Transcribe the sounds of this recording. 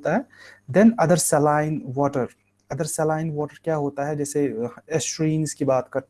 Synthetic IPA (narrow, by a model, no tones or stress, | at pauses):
t̪aɦɛd̪ɛ̃nɐd̪əɾsɛlaːɪnʋɔːʈəɾ | ɐd̪əɾsɛlaːɪnʋɔːʈəɾkjaːɦoːt̪aɦɛd͡ʒɛːseesʈɾĩːnskibaːt̪kɐɾ